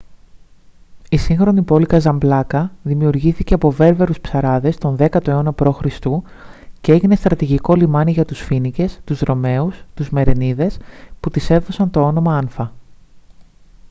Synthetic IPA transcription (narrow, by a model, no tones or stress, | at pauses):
isiŋxɾo̞nipo̞likɐzɐmblɐkɐðimiuɾʝiθice̞ɐpo̞ve̞ɾve̞ɾuspsɐɾɐðe̞st̪o̞nðe̞kɐt̪o̞eo̞nɐpɾo̞xɾist̪u | ce̞e̞ʝine̞st̪ɾɐt̪iʝiko̞limɐniʝɐt̪usfinice̞st̪uzðɾo̞me̞ust̪uzme̞ɾe̞niðe̞sput̪ise̞ðo̞sɐnt̪o̞o̞no̞mɐɐnfɐ